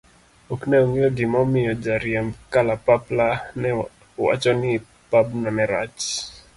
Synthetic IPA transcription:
oknɛoŋejoɡɪmɔmɪjɔd͡ʒaɾjɛmkalapaplanɛ | wa̰t͡ʃɔnɪ | pabnɔnɛɾa̰t͡ʃ

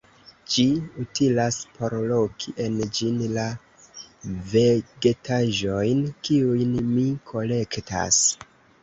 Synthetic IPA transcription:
d͡ʒiutilaspʰo̞ɾlo̞kʰiʔe̞nd͡ʒinla | ve̞ɡe̞tʰaʒo̞jnkiujnmikʰo̞le̞kta̰s

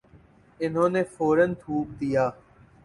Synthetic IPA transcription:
ɪnɦõːneːfoːɾənt̪ʰuːp̚d̪ijaː

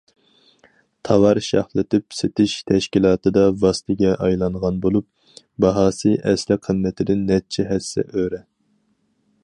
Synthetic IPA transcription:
t̪ʰɑvɑɾʃɑhlˠɨt̪ʰɪpset̪ʰɪʃt̪ʰɛʃkʲilˠɑːt̪ɨd̪ɑvɑst̪ʰɪɡʲɛʔɑjlˠɑɴʁɑnbolˠup̚ | bɑɦɑːsɨʔɛslɪqʰənmɛt̪ʰɪd̪ɪnːɛt͡ʃʰɛɦɛsɛ̰ʔøɾɛ

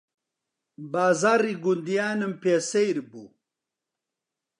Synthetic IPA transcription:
baːzaːɾiɡund̪ijaːnempesɐjɾbu

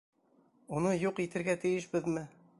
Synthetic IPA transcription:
unɤjuqit̪ɘ̆ɾɡæt̪ɘ̆jɘʃbɘðmɘ

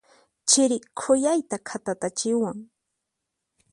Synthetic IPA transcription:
t͡ʃɪɾɪkʰʊjajt̪akʰat̪at̪at͡ʃɪwaŋ

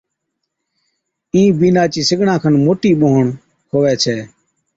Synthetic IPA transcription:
ĩːbiːnaːt͡ʃiːsɪɡɳãːkʰənmoːʈiːɓoːɦəɳ | kʰoːʋɛːt͡ʃʰɛː

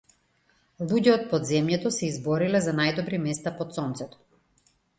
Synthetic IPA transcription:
lˠuɟɛɔt̪̚pɔd̪zɛmjɛt̪ɔsɛizbɔɾilɛzanajd̪ɔbɾimɛst̪apɔt̪sɔnt̪sɛt̪ɔ̥

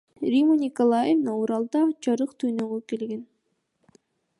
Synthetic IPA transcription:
rʲimonʲikolˠajevnɑuɾɑlˠd̪ɑt͡ʃɑɾɯqt̪ʰynøɡøkelɡen

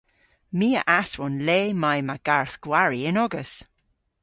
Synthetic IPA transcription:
miːə̰ʔaswɔnleːmajmaɡ̥aɹθɡ̥waɹiɪnɔɡəs

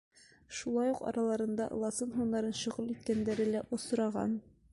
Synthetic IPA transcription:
ʃulˠɑjuqɒ̰ɾʔɑlˠɑɾɤ̆nd̪ɑʔɤ̰̆lˠɑsɤnɦunːɑɾɤnɕŏʁɤlˠit̪̚kænd̪æɾɘlæʔŏs̆ɾɑʁɑ̰n

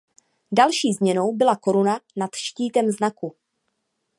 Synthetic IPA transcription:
dalʃiːzmɲɛno̞wbɪlako̞ɾunanat̪ʃciːt̪ɛmznaku

